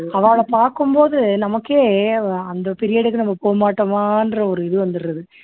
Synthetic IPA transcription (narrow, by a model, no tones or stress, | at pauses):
ɐʋaːɭɐpaːɾkɯmboːðɯnɐmɐkːeːɐnd̪ɐpɪɾɪjaːɽɯkːɯnɐmːɐpoːmaːʈːɐmaːɪndrɐɔɾɯɪðɯʋɐnd̪ɯɾːɐðɯ